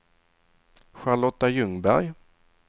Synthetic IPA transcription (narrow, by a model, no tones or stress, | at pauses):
ɧaɭɔt̪ːajɵŋbæ̰ɾj